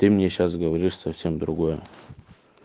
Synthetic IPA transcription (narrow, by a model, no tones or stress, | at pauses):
t̪ɨmnʲeɕas̬ɡəʋɐɾʲiʂsɐfsʲemd̪ɾʊɡojə